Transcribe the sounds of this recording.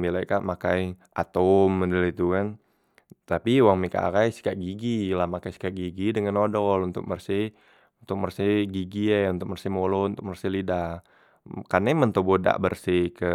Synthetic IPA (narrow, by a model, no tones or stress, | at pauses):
milajkaʔmakajʔa̰t̪ɔmədəlit̪ukan | t̪apiuwaŋmika̰ʔa̰kajsi̥kaʔɡiɡilamakajsi̥kaʔɡiɡidəŋanodɔlunt̪ʊ̰k̚mərsi | unt̪ʊk̚mərsiɡiɡiɛunt̪ʊk̚mərsimolount̪ʊk̚mərsilidah | karnɛmənt̪oboda̰ʔbərsikə